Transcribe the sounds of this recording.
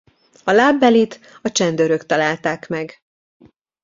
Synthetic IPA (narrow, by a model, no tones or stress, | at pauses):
ɒlaːbːɛlit̪ | ɒt͡ʃɛnd̪øɾøkt̪ɒlaːlt̪aːkmɛɡ